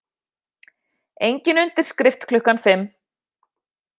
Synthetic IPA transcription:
ejɲcɪnʏnt̪ɪɾ̥skɾɪft̪kʰlʏhkanfɪmː

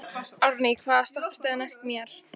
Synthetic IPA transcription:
aɾnikʰvaːðast̪ɔhpst̪aðnajst̪mjɛɾ̥

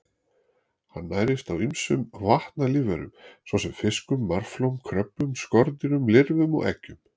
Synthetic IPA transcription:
hanːaːjɾɪst̪awimsʏmvaht̪naliːvɛɾʏ̰msɔwsɛmfɪskʏmːaɾ̥flowmkʰɾœpːʏmskɔɾt̪ɪɾʏmlɪɾvʏmɔ̰ɣɛ̰cːʏm

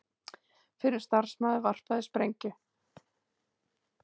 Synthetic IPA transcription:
fɪɾɪ̥st̪aɾ̥smaːðʏvar̥paðɪspɾejɲcʏ

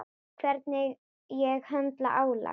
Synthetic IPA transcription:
kʰvɛɾt̪nɪ | jɛɣhœnt̪laʔaːwla̰

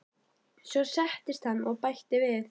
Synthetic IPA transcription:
svɔsɛht̪ɪst̪hanːɔɣpajht̪ɪvɪð

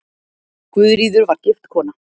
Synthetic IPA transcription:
kvʏðɾiːðʏɾvaɾ̥cɪft̪kʰɔːna

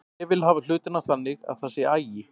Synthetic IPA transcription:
ɛvɪlɦaːval̥ʏːt̪ɪnaθanːɪɣa̰ð̥θasjɛaːjɪ

